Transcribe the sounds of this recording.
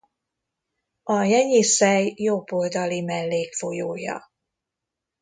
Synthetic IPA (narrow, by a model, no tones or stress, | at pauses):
ɒjɛɲisɛjːobold̪ɒlimɛlːeːkfojoːjɒ̰